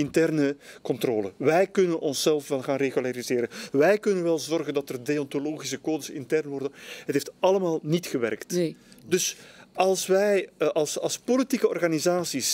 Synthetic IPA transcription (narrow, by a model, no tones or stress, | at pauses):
ɪntɛrnəkɔntroːlə̰ʋɛjkɵnənɔnsɛlˠfʋɛlˠɣaːnreɣylaɾizɪːɾənʋɛjkɵnənʋɛlˠzɔrɣəndɑtərdeɔntoloːɣisəkoːdəsɪ̰ntɛrnʋɔrdənɦətɦeːftɑləmaːlˠnitxəʋɛ̰rktdɵsɑlˠsʋɛjʔɑlˠsɑlˠspolitikəɔrɣaːnizaːsis